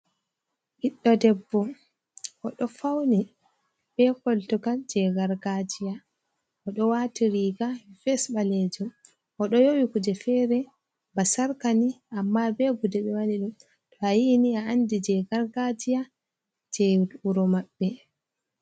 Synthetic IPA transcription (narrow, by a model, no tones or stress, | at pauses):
ʔiɗːɔdɛbːɔ | ʔɔ̰ɗɔfawni | b̥ɛkɔltukad͡ʒɛɡaɾɡad͡ʒija | ʔɔɗɔwatiɾiɡafɛsɓaled͡ʒum | ʔɔɗɔjowikud͡ʒɛfɛɾɛ | basaɾkaniʔamːabɛɡudɛɓɛwaniɗum | tɔajiniaandid͡ʒɛɡaɾɡad͡ʒija | d͡ʒɛduɾɔmabːɛ